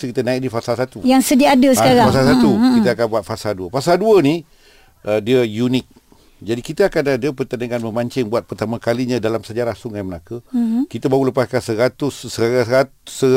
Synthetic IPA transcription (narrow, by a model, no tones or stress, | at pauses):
skit̪ənãik̚difasalsat̪ujaŋsədiaadəsəkaɾafasalsat̪ukit̪əakanbuat̪̚fasalduəfasalduəni | ʔədiəjunɪk̚ | d͡ʒadikit̪əakanadəpərt̪anəŋanməmaɲt͡ʃɪŋbuat̪̚pərt̪amãkaliɲãdalamsad͡ʒaɾasʊŋaməlakəkit̪əbauləpaskansəɾat̪ʊsəasə